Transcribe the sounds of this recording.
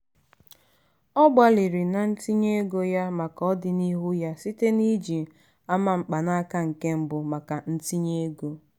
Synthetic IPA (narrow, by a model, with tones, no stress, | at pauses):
ɔ˦ɡ͡ba˨li˨ɾi˨na˨n̩˦ti˦ɲe˦ɡo˦ja˦ma˨kɔ˦dɪ˨ni˦ɦʊ˦ja˦si˦te˦ni˦d͡ʒi˨ | a˦ma˨ŋ͡m̩˨k͡pa˨na˦ka˦ŋ̩˨ke˦m̩˦bʊ˨ma˨ka˨n̩˦ti˦ɲe˦ɡo˦